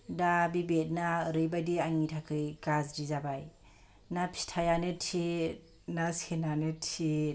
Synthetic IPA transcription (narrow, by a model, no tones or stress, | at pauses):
dabibet̚naɾɯjbajdiaŋitʰakʰɯjɡazdizabaj | napʰi̥stʰajanɯtʰi | nasenanɯtʰi